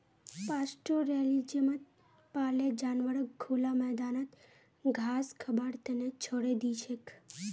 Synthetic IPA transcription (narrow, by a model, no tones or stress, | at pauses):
pasʈoɾelid͡ʒemət̪̚ | paled͡ʒanʋəɽəkɡʰolamɛɦd̪anət̪ | ɡʱaskʰəbaɽt̪enet͡ʃʰoɽed̪iʃek